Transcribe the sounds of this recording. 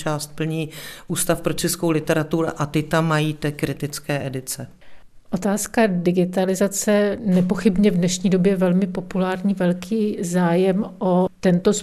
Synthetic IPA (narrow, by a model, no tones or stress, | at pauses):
t͡ʃaːst̪̚pl̩ɲiːʔuːst̪afpɾot͡ʃɛskowlɪt̪ɛɾat̪uɾʊ̰ʔat̪ɪt̪amːajiːt̪ɛkɾɪt̪ɪt͡skɛːʔɛdɪt͡sɛ | ʔo̞t̪aːskadɪɡɪt̪alɪzat͡sɛnɛpo̞xɪbɲɛvdnɛʃɲiːdo̞bjɛvɛlmɪpo̞pulaːɾɲiːvɛlkʰiːzaːjɛmʔo̞t̪ɛnt̪o̞s